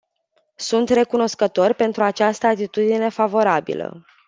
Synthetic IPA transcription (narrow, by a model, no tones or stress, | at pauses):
sunt̪re̞kuno̞skət̪o̞rʲpe̞nt̪ɾuat͡ʃast̪əat̪it̪ud̪ine̞favo̞ɾabḭlə̰